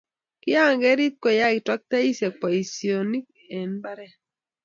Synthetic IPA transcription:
kɪ˦a˦˨ŋɡɛ˦ɾi˦t̪̚ko˨ja˦˨twa˦k̚t̪a˦i˦se˨k̚pa˨i˨sio˨ni˦k̚ | e˨nba˦ɾɛ˦˨

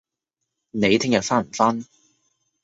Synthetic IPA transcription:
ne˨˧jt̪ʰɪ˥ŋjɐ˨t̚faː˥m̩˨˩faː˥n

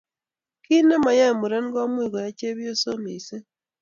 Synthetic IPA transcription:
ki˦ne˦ma˨ja˦˨mu˨ɾe˦n˦ɡo˦mwiː˨ɣo˨ja˦ceː˦βjo˦so˦mi˨se˦

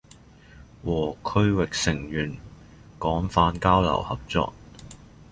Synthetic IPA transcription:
wɔː˨˩kʰɵ˥ɥwɪ˨k̚sɪ˨˩ŋjyː˨˩n | kɔː˨˥ŋfaː˧nkaː˥wlɐ̰˨˩whɐ˨p̚t͡sɔ̰ː˨k̚

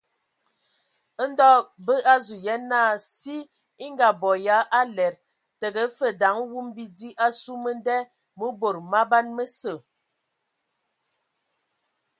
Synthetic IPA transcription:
ə˦n˦dɔ˦bə˦a˦zu˨jɛ˦na˦˨si˦ | i˦ŋɡa˨bɔ˨ja˨˦ʔa˦lɛ˨ɾ | tə˨ɡə˨˦fə˨da˨˦ŋwu˦mbi˦di˦ʔa˦su˦mə˦n˦dɛ˦ | mə˦bo˨ɾma˦ba˦nmə˦sə˨

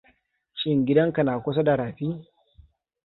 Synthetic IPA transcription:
ʃɪ˦ŋɡʲɪ˦dɐ˦ŋka˨naː˨kʷʊ˦s̬ɐ˦da˨ɾaː˨ɸiː˦

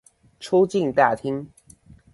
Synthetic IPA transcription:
ʈ͡ʂʰu˥ʊt͡ɕi˥˧nt̪a˥˩t̪ʰi˥ŋ

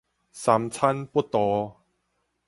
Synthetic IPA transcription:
sa˨˧mt͡sʰa˦npu˥t̪ɔ˨˧˦

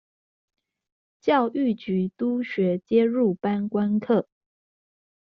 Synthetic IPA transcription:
t͡ɕjɑ˥˧ʊʔy˥˩t͡ɕy˨˧˥t̪u˥ɕɥɛ˨˥t͡ɕjɛ˥ɻu˥˩pa˥nkwa˥nkʰɤ˥˩

